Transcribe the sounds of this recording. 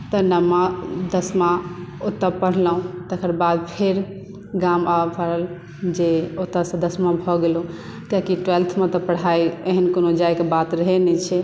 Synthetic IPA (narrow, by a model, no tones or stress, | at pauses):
t̪ənəmad̪əsmãot̪ːəpəɽ̤ləɦũt̪əkəɾbad̪̚pʰeɾ | ɡamapəɽəl | d͡ʒeot̪ːəsə̃d̪əsmãbʱɔɡelũ | t̪jakiʈwelt̪ʰmẽt̪ɔpəɽ̤ajeɦənkonod͡ʒajkebat̪ɾəɦenɛt͡ʃʰɛ